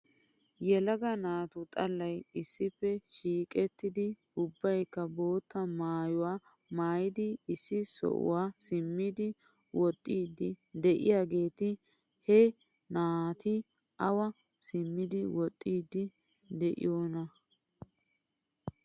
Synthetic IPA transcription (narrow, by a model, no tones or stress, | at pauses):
jɛlɐɡɐnaːt̪ʊt̪ʼɐlːɐjɪsːɪpːɛʃiːkʼɛt̪ːɪd̪ɪ | ʊbːɐjkːɐbo̞ːt̪ːɐmaːjʊwaː | maːjɪd̪ɪːsːɪsɔ̰ʔʊ̰waːsɪmːɪd̪ɪ | wʔɔt̪ʼːiːd̪ɪd̪ɛʔɪ̰jaːɡe̞ːt̪ɪ | hɛ | naːt̪ɪ | ʔɐwɐ | sɪmːɪd̪ɪwɔt̪ʼːiːd̪ɪ | d̪ɛʔɪ̰joːnɐ